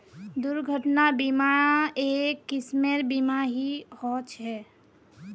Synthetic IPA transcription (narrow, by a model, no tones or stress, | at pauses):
d̪uɾɡʱəʈnabimaɾãekːɪsmeɾbimaɦihɔt͡ʃɦɛ